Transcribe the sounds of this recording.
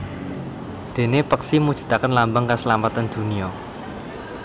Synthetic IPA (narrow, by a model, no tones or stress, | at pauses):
d̪̥e̤nepəksimudʒ̥i̤̥t̪akənlambəŋkasəlamat̪and̪̥ṳniɔ